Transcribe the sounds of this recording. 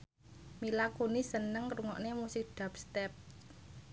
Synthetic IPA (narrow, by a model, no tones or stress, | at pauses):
milakunisənəŋɾuŋɔʔnemusɪk̚ɖ̥a̤pst̪ɛp̚